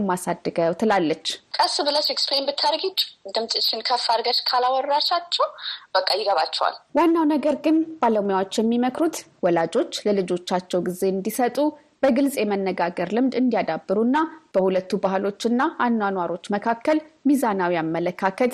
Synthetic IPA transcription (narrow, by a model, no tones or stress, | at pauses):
mːasad̪ːɨɡəwt̪ʰɨlalːət͡ʃːkʼəsbɨləsɛksplembɨt̪ʰːaɾɡit͡ʃːd̪ɨmt̪ʼɨt͡ʃːɪnkʰəfaɾɡəʃkʰalawɔrːaʃat͡ʃːɛwb̥əkʼːajɪɡəβat͡ʃːɛwa̰lwanːawnəɡəɾɡɨnb̥aləmujawo̞t͡ʃːjɛmːiməkɾut̪wɔlad͡ʒo̞t͡ʃːləlɨd͡ʒo̞t͡ʃːat͡ʃːɛwɡize̞ɨnd̪isət̪ʼu | b̥əɡɨlsʼjɛmənːəɡaɡəɾlɨmd̪ɨnd̪ijad̪abːɨɾunːab̥əhulət̪ːubahlo̞t͡ʃːɨnːaanːanwaɾo̞t͡ʃːməkʰakːəlmizanawijamːələkʰakʰət̪